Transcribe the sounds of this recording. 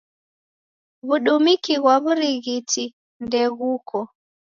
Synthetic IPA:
βuɗumikiɣwaβuɾiɣitʰi | ndɛɣuːkʰɔ

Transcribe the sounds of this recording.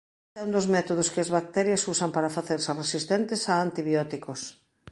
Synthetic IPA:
aund̪ozmɛt̪oð̞oskɪazβak̚t̪ɛɾjɐsusɐmpaɾɐfaθeɾseresist̪ɛnt̪esaːnt̪iβjɔt̪ikos

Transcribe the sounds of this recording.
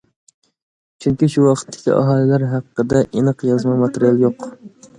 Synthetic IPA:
t͡ʃʰyŋkʲiʃuwɑqʰə̥t̪ʰːɪ̥kʲʰḭʔɑ̰ɦɑːlˠɪlæɾɦæqːəd̪ɛʔenəqjɑzmɑmɑt̪eɾijɑlˠjoq

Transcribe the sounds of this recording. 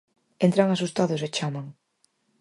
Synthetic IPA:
ent̪ɾaŋasust̪aðʊset͡ʃamaŋ

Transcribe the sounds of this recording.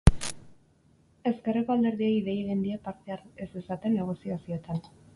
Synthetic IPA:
e̞ske̞reko̞ald̪e̞ɾðieiðe̞jiðend̪iapaɾt̪eaɾese̞sat̪e̞nːe̞ɣ̞o̞siasio̞t̪an

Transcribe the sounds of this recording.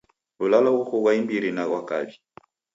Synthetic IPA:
lulalaɣukɔɣwaimbiɾinaɣwaka̰βi

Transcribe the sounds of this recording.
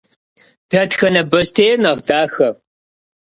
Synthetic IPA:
b̥ʰɐtxɐnɐbɐstʰejnɐʁdaːxɐ

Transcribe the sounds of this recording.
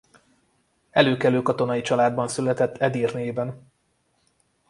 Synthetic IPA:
ɛløːkɛløːkɒt̪o̞nɒjit͡ʃɒlaːd̪̚bɒnsylɛt̪ɛt̪ʰːɛd̪iːrneːbɛn

